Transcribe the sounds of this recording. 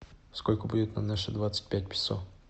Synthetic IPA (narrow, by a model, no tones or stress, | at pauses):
skolʲkʊbudʲɪt̪na̰mnaʂəd̪vat̪sə̥t̚ʲpʲæt̚ʲpʲɪ̥so̰